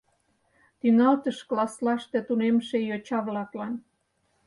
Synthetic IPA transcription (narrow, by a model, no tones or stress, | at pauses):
t̪yŋɑlt̪əʃklɑslɑʃt̪e̽t̪unemʃejot͡ɕɑβlɑklɑn